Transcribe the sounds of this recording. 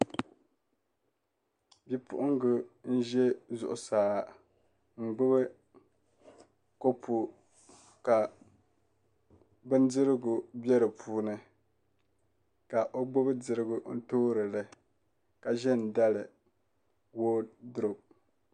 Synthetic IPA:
bi˨pʰʊ̰˦ʔʊ˦ŋɡʊ˨n̩˦ʒɛ˦zʊ̰˨ʔʊ˨saː˨ | ŋ͡m̩˨ɡ͡bʊ˦bɨ˦ | ko˦pʰu˨ | ka˨ | bɨ˦ndɨ˦ɾɨ˦ɡʊ˨bɛ˦ɾɨ˨pʰuː˦nɨ˨ | ka˨ʔo˦ɡ͡bʊ˦bɨ˦dɨ˨ɾɨ˦ɡʊ˨n̩˦toː˦ɾɨ˨lɨ˦˨ | ka˨ʒɛ˦nda˦lɨ˨ | woː˦dʊ˦ɾo˨

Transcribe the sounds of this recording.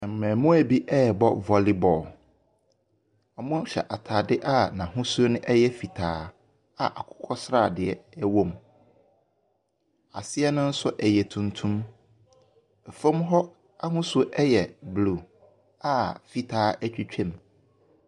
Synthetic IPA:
ɛ̃˨m̩˨mɛ̃ː˨mʊ̃˦æ˦bi˦ʔɛ˦˨bɔ˦vɔ˨li˦bɔ˨l | a˨mʊ̃˦ɕɛ̰˨ʔa˨tʰaː˨dɪ˦ʔa˦nã˨ɦʊ̃˦sʊ˦o˦nʊ̃˦ʔɛ˦jɛ˦fi˨tʰaː˨˦ | a̰˨ʔa˨kʰʊ̥˦kʰɔ˦sɾaː˦˨dɪ˨ɛ˦ɛ˦wõ˨m | a˨sɪ˦ɛ˦nʊ̃˦n̩˦sʊ˦ʔɛ˨jɛ˨tʰũ˨ntʰũ˦m | ɛ˨fõ˦mɦɔ˦ | a˦ɦʊ̃˦sʊ˦ʔɛ˦jɛ˨blu˨ | a˦˨fi˨tʰaː˨˦æ˦t͡ɕᶣi˦t͡ɕᶣʰɛ̃˦˨m

